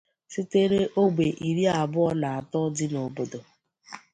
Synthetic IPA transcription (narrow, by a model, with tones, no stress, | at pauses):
si˦te˦ɾe˦ʔo˦ɡ͡bʷe˨ʔi˨ɾi˦a˨bʊ˦ɔ˦na˨a˨tɔ˦dɪ˦no˨bo˦do˨